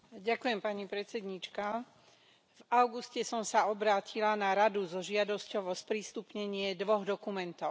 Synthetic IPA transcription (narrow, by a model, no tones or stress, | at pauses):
ɟakujɛmpaɲipɾɛt̪t͡sɛd̪ɲit͡ʃka | vaʊɡuscɛsɔmsaɔbɾaːcʰilanaɾad̪uzɔʒɪad̪ɔscɔʊɔspɾist̪upɲɛɲɪɛd̪ʋɔɣd̪ɔkumɛnt̪ɔʊ